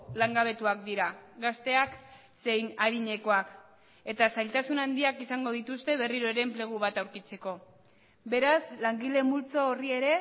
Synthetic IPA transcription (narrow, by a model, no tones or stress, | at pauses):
laŋɡaβ̞e̞t̪uak̚d̪iɾaɡast̪e̞ak | se̞jnaðiɲe̞ko̞ak | e̞t̪asajlt̪asunand̪iakisaŋɡo̞ð̞it̪ust̪e̞βe̞riɾo̞eɾe̞mple̞ɣ̞uβ̞at̪awɾkit͡se̞ko̞ | be̞ɾaslaŋɡile̞mult͡soːrie̞ɾe̞